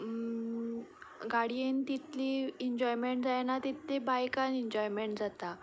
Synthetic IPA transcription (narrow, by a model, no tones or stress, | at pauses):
ɡaɽijent̪it̪liːeɲd͡ʑɔjmeɳʈd͡zajenat̪it̪ːebajkaneɲd͡ʑɔjmeɳʈd͡zat̪a